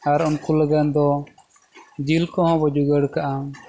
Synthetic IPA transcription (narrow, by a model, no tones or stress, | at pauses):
aɾɔnkuləɡand̪ɔ | d͡ʒilkɔ̃ɦɔ̃bɔd͡ʒuɡəɽkaʔam